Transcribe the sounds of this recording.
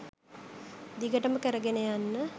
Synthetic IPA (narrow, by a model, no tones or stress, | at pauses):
d̪iɡəʈəməkəɾəɡenejanːə